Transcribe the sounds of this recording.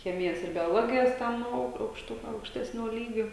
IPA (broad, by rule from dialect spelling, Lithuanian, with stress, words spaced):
ˈxʲæːmʲɪjɛs ɪr bʲoːˈlˠoːɡʲɪjɛs ˈtʲɛn ɐʊ ɐʊkʃˈtʊ ɐʊkʃʲˈtʲæːsʲnʲoː ˈlʲiːɡʲoː